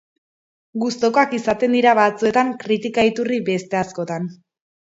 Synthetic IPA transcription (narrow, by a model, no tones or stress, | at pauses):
ɡust̪o̞koakisat̪e̞nd̪iɾaβat͡sue̞t̪aŋkɾit̪ikait̪uribe̞st̪e̞asko̞t̪an